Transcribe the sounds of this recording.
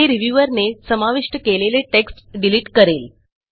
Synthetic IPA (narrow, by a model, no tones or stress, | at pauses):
eɾiʋjuʋəɾnesəmaʋiʂʈəkeleleʈeksʈɖiliʈkəɾel